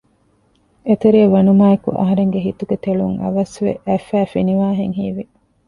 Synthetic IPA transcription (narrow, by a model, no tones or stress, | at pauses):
et̪eɾiɐʋɐnumaːekṵʔɐ̰ɦɐɾeŋɡeɦit̪uɡet̪eɭuŋɐ̰ʋɐsʋḛʔæfæːfiniʋaːɦeŋɦiːʋi